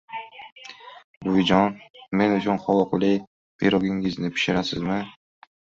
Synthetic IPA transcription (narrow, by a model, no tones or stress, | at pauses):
bʊd͡ʒɒnme̞nʊt͡ʃʰʊnχɒlɔqlˠɪ | bḭɾɒɡʲɪŋɪznɪpʰɪ̥ʃɪɾasɪzmɪ